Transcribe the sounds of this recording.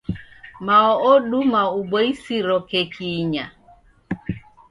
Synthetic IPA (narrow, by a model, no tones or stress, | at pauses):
maɔɔɗumauɓɔisiɾɔkɛkʰiɲa